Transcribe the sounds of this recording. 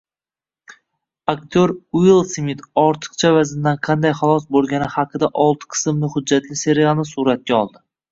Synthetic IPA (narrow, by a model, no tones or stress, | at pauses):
ak̚ʲt̪ʰoɾʊilˠsmit̪ʰɒɾt̪ʰɨ̥qt͡ʃʰavazɪnd̪anqʰɑnd̪ajχɑlˠɒsbolˠɡʲanɪhaqʰɨd̪aʔɒlˠt̪ʰɨ̥qʰɨ̥sɨmlɪhʊd͡ʒːat̪lɪse̞ɾialˠnɪsuɾat̪̚kʲaɒlˠd̪ɪ